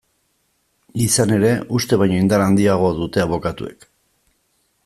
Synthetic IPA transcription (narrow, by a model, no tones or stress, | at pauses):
isane̞ɾe̞ʔust̪e̞βajɲo̞ind̪aɾand̪iaɣ̞o̞ðut̪e̞aβo̞kat̪ue̞̰k